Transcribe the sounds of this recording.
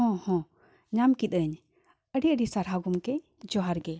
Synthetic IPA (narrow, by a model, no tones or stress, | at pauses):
ɦɔ̃hɔ̃ | ɲamkit̪̚əɲ | əɖiəɖisaɾɦaɡumkɛ | d͡ʒɔɦaɾɡɛ